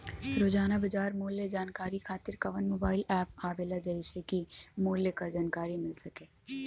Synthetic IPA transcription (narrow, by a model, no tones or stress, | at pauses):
ɾoːd͡ʒaːnabɐd͡ʒaːɾmoːled͡ʒaːnkaːɾikʰaːt̪ɪɾkɐʋənmoːbaːɪlɛːp̚aːbeːlad͡ʒɐisekimoːlekad͡ʒaːnkaːɾimɪlsɐkeː